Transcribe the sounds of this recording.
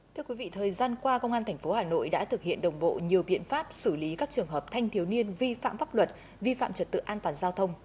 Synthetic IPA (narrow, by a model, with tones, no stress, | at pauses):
t̪ʰɨ˧əkwi˨˦vḭ˧˨t̪ʰəː˨˩jzaː˧nkwaː˧kə˧wŋ͡mʔaː˧nt̪ʰjŋ̟fo˨˦haː˨˩no̰˧˨jɗa̰ː˧˥t̪ʰɨ˨˩k̚hḭ˧˨ənɗə˨˩wŋ͡mɓo̰˧˨ɲi˨˩əwɓḭ˧˨ənfaː˦˥p̚sɨ˧˩li˨˦kaː˦˥k̚t͡ɕɨ˨˩əŋɦəː˨˩p̚t̪ʰa˧jŋ̟t̪ʰi˨˦əwni˧ənvi˧fa̰ː˧˨mfaː˦˥p̚lwə˨˩t̚ | vi˧fa̰ː˧˨mt͡ɕə˨˩t̚t̪ɨ̰˧˨ʔaː˧nt̪waː˨˩nzaː˧wt̪ʰə˧wŋ͡m